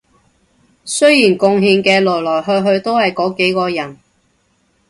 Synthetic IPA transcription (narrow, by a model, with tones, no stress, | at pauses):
sɵ˥jiː˨˩nkʊ˧ŋɦiː˧ŋkɛː˧lɔː˨˩jlɔː˨˩jɦɵ˧ɥɦɵ˧ɥt̪o˥whɐ˨jkɔː˨˥ke˨˥jkɔː˧jɐ˨˩n